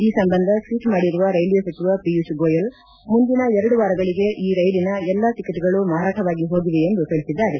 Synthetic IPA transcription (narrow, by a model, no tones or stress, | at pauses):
iːsɐmbɐnd̪ʱɐsʋiːʈmaːɽiɾuʋɐɾɐjljesɐt͡ʃːiʋɐpijusɡoːjɐl | mund̪inɐɛɾɐɽuʋaːɾɐɡɐɭiɡe̞ʔiːɾɐjlinɐɛlːat̪ikːɐt̪iɡɐɭumaːɾaːʈʰɐʋaːɡiɦo̞ːɡiʋeend̪uɦeɭisid̪ːaːɾe